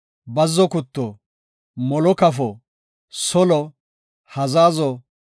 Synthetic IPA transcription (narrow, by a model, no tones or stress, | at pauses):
bɐzːɔkʊt̪ːɔ | mɔlɔkɐfɔ | sɔlɔ | hɐzaːzɔ